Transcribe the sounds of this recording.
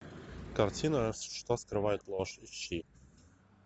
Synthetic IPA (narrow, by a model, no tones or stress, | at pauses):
kɐrtʲinəsʲʂt̪oskɾɨvajɪt̪lˠoʂiɕːi